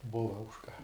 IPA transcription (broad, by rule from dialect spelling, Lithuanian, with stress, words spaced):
ˈbʊʋɐ ʊʃ kɐ